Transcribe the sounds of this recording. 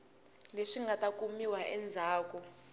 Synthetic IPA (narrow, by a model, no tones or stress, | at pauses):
leʂiŋɡʱatak̬ʼumiwaʔɛnd͡zʱaːk̬ʼɔ